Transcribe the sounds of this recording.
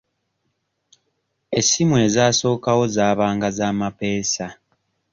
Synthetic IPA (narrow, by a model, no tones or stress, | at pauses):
e̞simwe̞ːzaːso̞ːkawo̞zaːβaːŋɡazaːmape̞ːsa